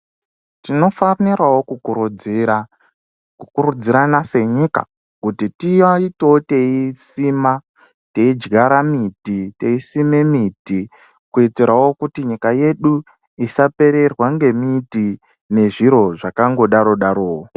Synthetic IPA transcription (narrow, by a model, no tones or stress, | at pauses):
tino̞fanirwawo̞kuu | ukuɾud͡ziɾanase̞ɲika̰ | kutitiaito̞teisima | te̞id͡ʒɡaɾamitite̞isime̞miti | kuiteɾawo̞kutiɲikaje̞ɗu | isape̞ɾe̞rwaŋɡe̞miti | ne̞ʐiɾo̞ʐakaŋɡo̞ɗaɾo̞ɗaɾo̞ːo